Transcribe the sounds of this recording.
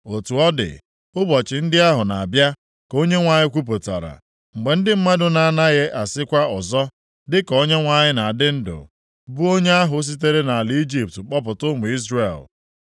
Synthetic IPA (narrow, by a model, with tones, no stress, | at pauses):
o˨tu˨ɔ˦dɪ̰˨ | ʊ˦bɔ˨t͡ʃɪ˨n̩˦dɪ˦a˦ɦʊ˨na˨a˨bja˦ | ko˦ɲe˦ŋʷa˦ɲɪ˦kʷu˦p̬o˨ta̰˨ɾa̰˨ | ŋ͡m̩˨ɡ͡be˨n̩˦dɪ˦m̩˦ma˦dʊ˦na˦˨na˦ɣe˦ʔa˨sɪ˦kʷa˦ɔ˨zɔ˦ | dɪ˦ko˦ɲe˦ŋʷa˦ɲɪ˦na˨a˨dɪ˦n̩˦dʊ̰˨ | bu˦o˦ɲe˦a˦ɦʊ˨˦s̬i˦t̬e˦ɾe˦na˨a˨li˦d͡ʒi˦p̚tk͡pɔ˦p̬ʊ˨tʊ˦mʊ˨i˦zre˨l